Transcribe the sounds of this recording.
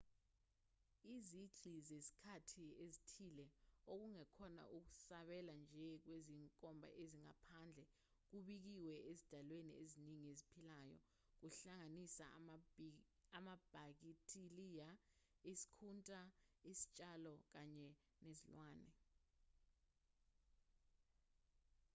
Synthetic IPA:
iziǀʱizesi̥kʰatʰiezitʰilɛok̬uŋɛkʰɔna̰ʔuk̬u̥saɓɛland͡ʒʱɛk̬weziŋkʼɔmbʱa̰ʔeziŋa̰pʰand͡ɮʱɛ | k̬uɓik̬iwɛʔezid̥ʱalwenḭeziniŋiezipʰilaːjɔ̰ | k̬uɬaŋanisa̰ | amab̥ʱak̬itʰʼilija | isi̥kʰuntʼaisi̥t͡ʃʼalɔk̬aɲɛ | nezilwaːnɛ

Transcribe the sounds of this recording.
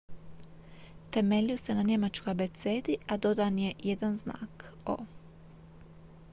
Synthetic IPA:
t̪e̞meʎʲiose̞naɲe̞mat͡ʃkojabet̪seːd̪iad̪o̞d̪anje̞jed̪anzna̰ːko̰

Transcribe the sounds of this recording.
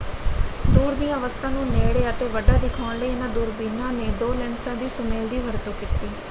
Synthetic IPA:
d̪uːɾd̪ĩːəʋəst̪ʰãːnũːneːɽeːət̪eːʋəɖaːd̪ɪkʰõːɳlenãd̪uːɾbinãːneːd̪oːlɛ̃ːnsãːd̪iːsʊmeːld̪iːʋəɾt̪oːkɪt̪ːiː

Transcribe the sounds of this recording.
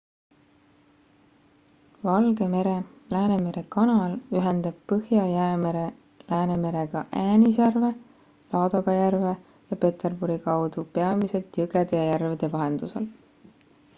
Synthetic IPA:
vɑlɡ̥e̞me̞ɾe̞ | læːne̞me̞ɾe̞kɑnɑlyɦe̞nd̪̥ɑb̥̚pɤhjɑjæemeɾe | læːne̞me̞ɾe̞ɡ̥ɑʔæːnis̬ærve̞ | lɑːd̪̥oɡ̥ɑjærve̞ | jɑpe̞t̪e̞rbuɾikɑwd̪upe̞ɑmise̞lt̪jɤɡe̞d̪̥e̞jɑjærved̪̥e̞vɑɦe̞nd̪̥use̞l

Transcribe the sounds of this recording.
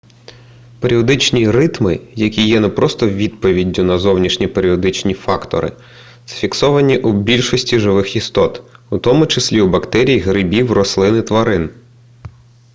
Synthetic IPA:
peɾʲiɔd̪ɪt͡ʃnʲirɪt̪mɪjɐkʲijɛnɛpɾɔst̪ɔʋʲid̪̚pɔʋʲidʲːʊnɐzɔwnʲiʃnʲipeɾʲiɔd̪ɪt͡ʃnʲifɑkt̪ɔ̰ɾɪ̰ | z̥ɐ̥fʲiksɔʋɐnʲiʔubʲilʲʃɔsʲtʲiʒɪʋɪxist̪ɔt̪ut̪ɔmʊt͡ʃɪsʲlʲiubɐkt̪ɛɾʲijiɦɾɪbʲiwrɔslˠɪnɪt̪ʋɐɾɪn

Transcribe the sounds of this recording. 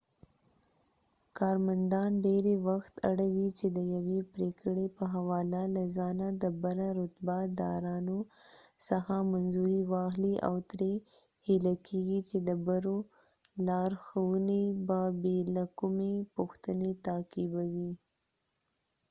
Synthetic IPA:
kɑɾmand̪ɑnɖeɾewaxt̪a̰ɽawit͡ʃed̪əjawepɾekɽepəɦawɑlalazɑnad̪əbaɾaɾʊt̪bad̪ɑɾɑnosaxamanzuɾiwɑxliʔa̰wt̪ɾe | hɪlakʰeɡit͡ʃed̪əbaɾo | lɑɾxawunebabelakumepʊxt̪ənet̪akibawi

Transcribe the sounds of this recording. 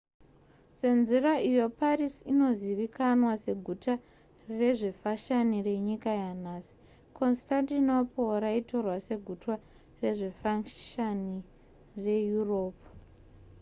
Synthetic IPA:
se̞nziraʔijo̞parisino̞ziʋikanwase̞ɡʱuta | re̞ʐe̞faʃanire̞ɲikajanaːsi̥ | ko̞nstantinopoɾaito̞rwase̞ɡʱutwa | re̞ʐe̞faʃani | re̞juro̞ːpu

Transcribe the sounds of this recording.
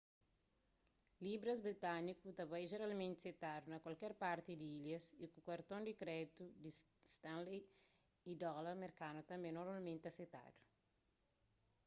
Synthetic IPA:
libɾɐzbɾit̪anikut̪ɐbajʒeɾalmẽnt̪set̪ad̪unɐkwalkɛɾpaɾt̪id̪iiljɐsikukɐɾt̪õnd̪ikɾɛt̪ud̪ist̪ãnle | id̪ɔlɐmeɾkanut̪ɐ̃mbẽnoɾmalmẽnt̪ɐset̪a̰d̪u̥

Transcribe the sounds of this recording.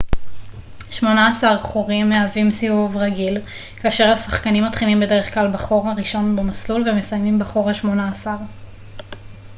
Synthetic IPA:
ʃmo̞naːsaʁχoʁimːeavimsiuvʁaɡil | kaːʃe̞ʁhasaχkanimːat̪χilimbe̞de̞ʁeχklalbaχo̞ʁaʁiʃo̞nbemaslulve̞mesajmimbaχoʁaʃmo̞naːsaʁ

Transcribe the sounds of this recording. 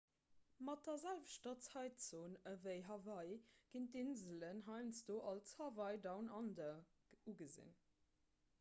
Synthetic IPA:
mɑt̚dɐzælvəʃtɐt͡sʰɑɪtt͡soːnəvəɪɦɑvɑɪɡ̥intinzələnɦɑɪnsd̥oːʔɑlshɑvɑɪdɑʊnɑndɐuɡəzḭn

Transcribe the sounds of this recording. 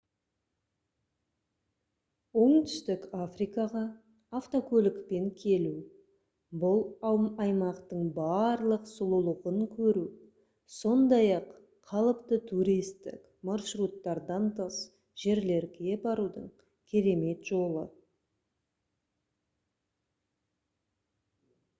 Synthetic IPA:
wo̞ɴt̪ʏ̥st̪ɪkafrijkɑʁɑː | ft̪o̞kʲʰɵlɪkpe̞ŋkʲʰe̞lu | bʊlˠɑwmɑjmɑqt̪əɴbɑɾlˠəqsʊlˠəlˠəʁəŋkʲʰɵɾu | so̞nd̪ɑjɑqʰː | ɑlˠəpt̪ət̪ʰuɾijst̪ɪ̰k | maɾʃrut̪ːɑɾd̪ɑnt̪ʰəs | ʒ̥e̞ɾle̞ɾɡʲe̞bɑɾud̪ə̰ɴ | kʲʰe̞ɾe̞me̞t̪ʒo̞lˠə̰

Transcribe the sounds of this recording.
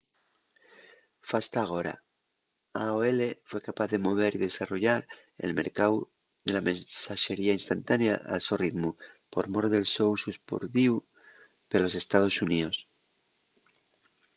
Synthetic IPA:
fast̪aːɣ̞o̞ɾa̰ | aoele̞fwe̞kapaθðe̞mo̞β̞e̞ɾiðe̞saro̞ʝaɾ | ḛlme̞̰ɾkaw | ðe̞lamẽnsaʃe̞ɾiainst̪ant̪aneaʔa̰lso̞riðmu | po̞ɾmo̞ɾðe̞lso̞wsuspo̰ɾðiu | pelo̞se̞st̪að̞o̞sunio̞s

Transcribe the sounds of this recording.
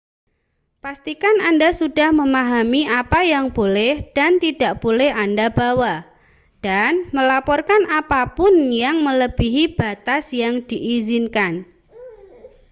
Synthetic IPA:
past̪ikanandasud̥a̤hməmaɦamiapajaŋb̥olɛhd̥ant̪id̥a̤ʔb̥olɛhandab̥awa | d̥anməlapɔrkanʔapapʊnjaŋmələb̥iɦib̥a̤t̪asjaŋd̪̥iʔizinkan

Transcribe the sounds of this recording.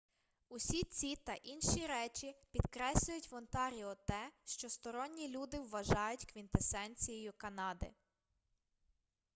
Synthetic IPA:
ʊsʲit͡sʲit̪ɐʔinʃiɾɛt͡ʃipʲid̪̥kɾɛsʲlʲʊjʊtʲʋɔnt̪ɑɾʲiɔt̪ɛʃt͡ʃɔst̪ɔɾɔnʲːilʲud̪ɪwːɐʒɑjʊtʲkʋʲint̪esɛnʲt͡sʲijɔjʊkɐnɑd̪ɪ̰

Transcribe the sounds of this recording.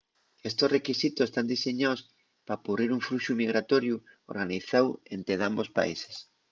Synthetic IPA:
est̪osrekisit̪osest̪and̪iseɲaws | papuriɾuɱfɾuʃumiɣɾat̪oɾjuo̰ɾɣaniθawḛnt̪eðambospa̰ḭse̥s

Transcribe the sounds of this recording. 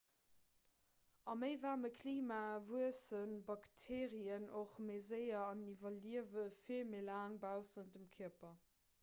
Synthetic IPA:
ɑməɪvaːməkʰliːmaːvuəsənbɑktʰeːʁiənoχmezəɪɐɑnivɐliəvəfimelaːŋbaʊsəndəmkʰiəpɐ

